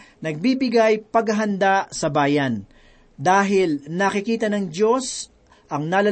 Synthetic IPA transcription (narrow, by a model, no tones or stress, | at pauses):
nɐɡ̚bibɪɡajpɐɡɐɦɐnd̪asɐbaːjɐn | d̪aːɦɪlnɐkɪkiːt̪ɐnɐŋd͡ʒo̞s | ʔɐŋnaːlɐ